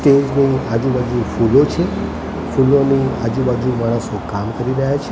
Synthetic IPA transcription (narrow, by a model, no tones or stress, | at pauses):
ʈed͡ʒniad͡ʒubad͡ʒufulot͡ʃʰe | fulonia̰d͡ʒubad͡ʒumaɽ̃əsokamkəɾiɾəɦjat͡ʃʰe